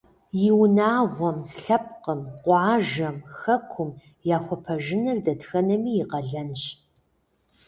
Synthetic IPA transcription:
jɪwnaːʁʷɔmɬɐp̚qəmqʷɑːʒɐmxɐkʷʰʊm | jaːxʷɔpʰɐʒɪnɨrdɐtxɐnɐmiːjɪqɐɮɐnɕ

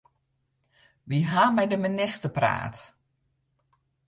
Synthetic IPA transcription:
ʋiɦamɛjdəminɪstəpra̰ːt

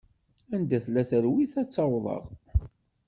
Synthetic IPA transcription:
ænd̪æθlæθəɾwiθæt͡sːɑwðˤə̰ʁ

